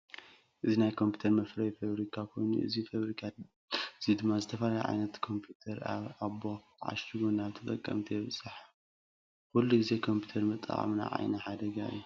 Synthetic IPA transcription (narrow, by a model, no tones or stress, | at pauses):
ʔɨzinajkʰo̞mpʰiu̥t̪ʰɐɾmɐfɾɐjfaβɾikʰakʰo̞jnṵʔɨ̰zifaβɾikʰa | ɨzid̪ɨmːazɨt̪ʰɐfalajʕa̰jnɐt̪kʰo̞mpʰjut̪ʰɐɾaβo | ʕa̰ʃiɡonaβt̪ʰɨt̪ʼɐkʼːɐ̰mt̪ʰɐjβɨt͡sʼːaħ | kulːuɡɨze̞kʰo̞mpʰu̥t̪ʰɐɾmɨt̪ʼa̰ʔa̰mna̰ʕa̰jnɐħad̪ɐɡaɨ̰jːu